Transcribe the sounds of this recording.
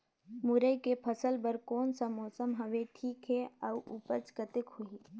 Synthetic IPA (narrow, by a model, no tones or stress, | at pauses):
mʊɾəjkepʰəsəlbəɾkɔːnsamɔːsəmɦɐʋeʈʰiːkɦɛɐʋʔʊpət͡ʃkət̪ɪkhʊi